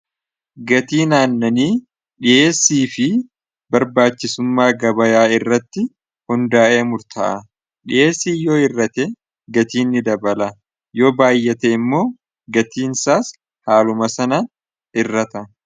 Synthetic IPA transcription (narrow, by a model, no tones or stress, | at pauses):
ɡɐt̪iːnaːnːɐniː | ᶑɪʔe̞ːsːiːfɪ | bɐɾbaːt͡ʃːɪsʊmːaːɡɐbɐjaːɪrːɐt̪ːɪ | hʊnd̪aːʔe̞ːmʊɾt̪ʰɐ̰ʔɐ | ᶑɪʔe̞ːsːiːjo̞ːɪrːɐt̪ɛ | ɡɐt̪iːnːɪd̪ɐbɐlɐ | jo̞ːbaːjːɛt̪ɛɪmːo̞ː | ɡɐt̪iːnsaːs | haːlʊmɐsɐnɐn | ɪrːɐt̪ɐ